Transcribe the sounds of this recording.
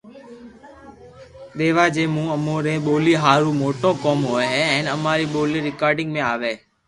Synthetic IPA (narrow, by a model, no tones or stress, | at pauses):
ɗ̪eːʋaːd͡ʒeːmũːəmõːɾẽːɓoːliːɦaːɾũːmoːʈõːkoːmɦoːeɦɛ̃ːnəmaːɾiːɓoːliːɾɪkaːɾɖɪ̃ŋɡmẽaːʋeː